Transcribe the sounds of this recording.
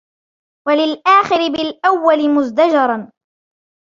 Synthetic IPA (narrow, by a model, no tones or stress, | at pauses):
walɪlʔaːxɪɾɪbɪlʔawːalɪmʊzd̪ad͡ʒɑɾˤɑn